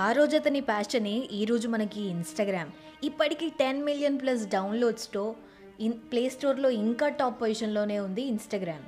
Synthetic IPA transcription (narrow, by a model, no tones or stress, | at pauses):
aːɾoːd͡ʒɐt̪ɐnipaːst͡ʃɐneːʔiːɾo̞ːd͡ʒumɐnɐkiːnsʈɐɡɾaːm | ipːɐʈikiːʈenmilijɐnplɐs̬ɖɐwnlo̞ːɖsʈoː | ipleːsʈo̞ːɾlo̞ːiŋkaːʈaːpːʋɐjiʂɐnlo̞ːne̞ːund̪iːnsʈɐɡɾaːm